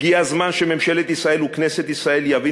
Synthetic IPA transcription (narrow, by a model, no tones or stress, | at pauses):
iazmanʃememʃe̞let̪isʁae̞lukneset̪isʁae̞ljavi